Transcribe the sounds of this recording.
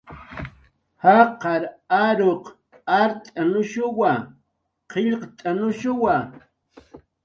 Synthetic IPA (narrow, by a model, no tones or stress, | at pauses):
haqɑɾaɾoq | aɾt̪ʼanʊʃʊwa | qɪʎqt̪ʼanʊʃʊwa